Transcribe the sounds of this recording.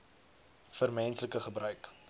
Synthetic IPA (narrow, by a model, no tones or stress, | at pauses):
fərmɛnsləkəχəbrœɥk